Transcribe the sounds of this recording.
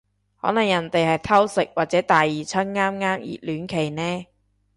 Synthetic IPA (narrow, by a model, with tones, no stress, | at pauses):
hɔː˨˥nɐ˨˩ŋjɐ˨˩nt̪e˨jhɐ˨jt̪ʰɐ˥wsɪ˨k̚waː˨t̚t͡sɛː˨˥t̪aː˨˩jːiː˨˩t͡sʰɐ˥nŋaː˥mŋaː˥mjḭː˨˩lyː˨˥nkʰe˨˩jnɛː˥